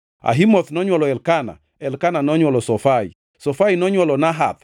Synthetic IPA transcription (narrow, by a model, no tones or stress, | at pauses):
a̰ɦimɔθnɔɲwɔlɔɛlkana̰ | ɛlkananɔɲwɔlɔsɔfaḭ | sɔfainɔɲwɔlɔnaɦa̰t̪